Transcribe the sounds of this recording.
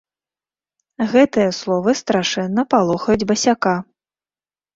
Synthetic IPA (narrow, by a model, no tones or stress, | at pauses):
ɣɛt̪ɨjɐslˠɔvɨst̪ɾaʂɛnːɐpalˠɔxɐjud͡zʲbɐsʲaka